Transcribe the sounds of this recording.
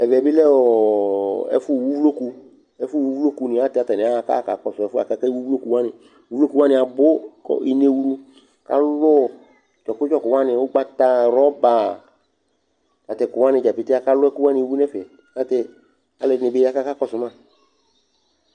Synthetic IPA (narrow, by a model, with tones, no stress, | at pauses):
ɛ˨vɛ˨bɪ˦lɛ˦ɔ˨ɛ̰˨˦fʊ˦˨wu˦vu˦lo˦ku˧ | ɛ˦fʊ˦˨wu˦vu˦lo˦ku˧nɪ˨a˦tɪ˨a˨tɛ˨nɪ̃˨a˦˨ka̰˦˨ka̰˨kɔ˨sʊ˨ɛ˨fʊ˦a̰˨ka˦kɛ˦wu˦vu˦lo˦ku˨wa˦nɪ˨ | wu˦vo˦ku˨wa˦nɪ̃˨a˨bʊ˦kɔ̰˦i˨ne˨˧wu˦ɾu˧˨ | ka̰˦lʊ˦˨ | t͡ʃɔ˨kʊ˦d͡ʒɔ˦kʊ˨wa˦nɪ˨˦ʊ˦ɡ͡ba˦ta˧˨ɾɔ˦ba˨ | ka˨tɛ˨kʊ˨wa˦nɪ̃˧˨d͡ʒa˨pi˨tɪ˦a˦ka˦lʊ˦ɛ˦kʊ˦wa˦nɪ˧˨˦wu˦nɛ˦fɛ˨ | ka˦tɛ˧ | a˨lɛ˨nɪ˨bɪ˦a˦ka˦ka˦kɔ˦˨sʊ˨mã˦˨